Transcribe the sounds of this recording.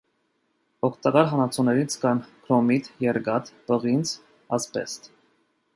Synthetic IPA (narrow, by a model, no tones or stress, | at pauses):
ɔkʰt̪ɑkɑɾɦɑnɑt͡sʰunɛɾit͡sʰkɑnkʰɾɔmit̪jɛɾɡɑt̪pəʁint͡sʰ | ɑspɛ̰st̪